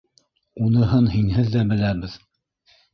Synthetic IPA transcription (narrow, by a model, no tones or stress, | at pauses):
unɤ̆ɦɤnhinɦɘðːæbɘ̆læβɘð